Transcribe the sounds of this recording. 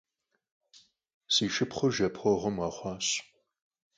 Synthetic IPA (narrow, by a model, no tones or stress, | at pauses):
siːʃɨpχʷəʒɐpʰχʷɔʁəmɑχʷɑːɕ